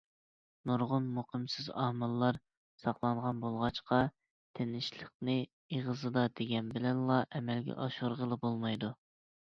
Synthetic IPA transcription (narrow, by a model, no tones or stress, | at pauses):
nuɾʁʊnmuqɨmsɪzɑhmɨlˠːɑɾ | sɑqlˠɑɴʁɑnbolˠʁɑt͡ʃqɑ | t̪ʰenɪʃlˠəq̚nɨ | iʁəzɨd̪ɑd̪eɡʲɛnbɪlɛnlˠɑʔɛmɛlɡʲɛ̰ʔɑʃuɾʁəlˠɨbolˠmɑjd̪u